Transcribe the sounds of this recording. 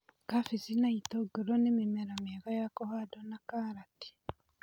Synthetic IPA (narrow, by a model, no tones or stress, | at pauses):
kafisinaitoɡeɾonemimeɾameɣajakohadonakaɾati̥